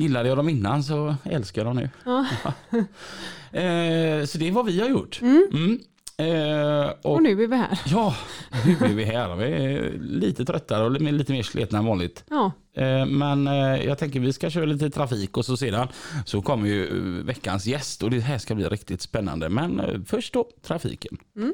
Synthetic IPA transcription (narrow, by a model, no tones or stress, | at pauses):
jɪlːad̪əjɑːd̪ɔmɪnːansɔɛ̰lskajad̪ɔmnʉ̰ | sɔd̪ɛvavɪhaɾjʊʈːm̩ | ʔɔnʉːbævɪhæ̰ːɾjɑːnʉːbɪɾvɪɦæːdɔ̰mvɪ̰liːt̪ət̪ʰɾœt̪ːaɾəɔlmːɭiːt̪əmeːʂlʔḛːt̪navɑːnlɪt̪ː | mɛnjʔɑ̰ːɡt̪ʰɛŋkəɾvɪskaɕøːɾaliːt̪ət̪ʰɾafiːkɔsɔseːd̪ansɔkʰɔmːəɾjɵvɛkːa̰nsjɛst̪ɔd̪ɛɦæːʂkablḭːɾʔɪkt̪ɪt̪spɛnːa̰nd̪ə̰mɛnfœʂʈ̚d̪oːt̪ʰɾafḭːkən